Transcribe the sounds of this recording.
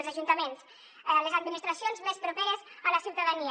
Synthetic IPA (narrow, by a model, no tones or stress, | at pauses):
lzaʒunt̪amẽns | lezad̪minist̪ɾasjonzmespɾopeɾezalasiwt̪aðani